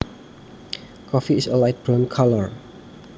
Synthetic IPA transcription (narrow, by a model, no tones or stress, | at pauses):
kʰɔfiːsəlajt̚b̥ɹɔnkʰaləɹ